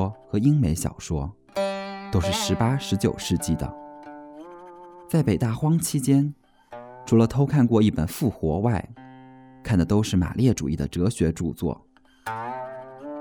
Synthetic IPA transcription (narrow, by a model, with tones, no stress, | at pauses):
xɤ˧˥i˥ŋme˧˥ɪɕjɑ̰˨˩ʊʂwɔ̰˥ | t̪o˥ʊʂɻ̩˥˩ʂɻ̩˧˥pa˥ʂɻ̩˧˥t͡ɕjo̰˨˩ʊʂɻ̩˥˧t͡ɕi˥˩d̪ə̰˩ | t͡sa˥˩ɪpe˨˩ɪt̪a˥˩xwɑ˥ŋt͡ɕʰi˥t͡ɕjɛ˥n | ʈ͡ʂʰu˧˥lə˧t̪ʰo˥ʊkʰa˥˧nkwɔ˥˧i˥˩pə̰˨˩nfu˥˩xwɔ˧˥wa˥˩ɪ | kʰa˥˩nd̪ə˩t̪o˥ʊʂɻ̩˥˩ma̰˨˩ljɛ˥˩ʈ͡ʂṵ˨˩i˥˩d̪ə̰˩ʈ͡ʂɤ˧˥ɕɥɛ˧˥ʈ͡ʂu˥˧t͡swɔ̰˥˩